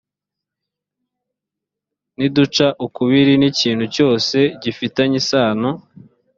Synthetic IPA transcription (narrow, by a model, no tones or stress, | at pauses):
nidut͡ʃaʔukuβiɾiniciːn̤̥huco̞ːse̞ɟifitaɲisaːno